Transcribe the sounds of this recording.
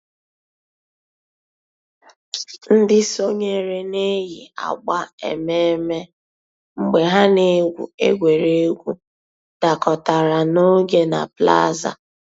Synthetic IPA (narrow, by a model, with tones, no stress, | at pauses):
n̩˦dɪ˦so˦ɲe˨ɾe˦ne˦ji˨a̰˨ɡ͡ba˦ḛ˨me˦me˦ | ŋ͡m̩˨ɡ͡be˨ɦa˦ne˦ɡʷṵ˨e˦ɡʷe˨ɾe˦e˦ɡʷu˦ | d̥a˨kɔ˨ta˨ɾa˨no˦ɡe˦na̰˨pla̰˦za̰˨